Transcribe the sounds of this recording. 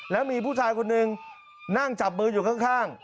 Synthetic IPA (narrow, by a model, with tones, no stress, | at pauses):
lɛː˦˥wmiː˧pʰuː˥˩t͡ɕʰaː˧jkʰo˧nːɯ˨˧ŋ | na˥˩ŋt͡ɕa˨˩p̚mɯː˧juː˨˩kʰa˦˥˩ŋkʰaː˥˩ŋ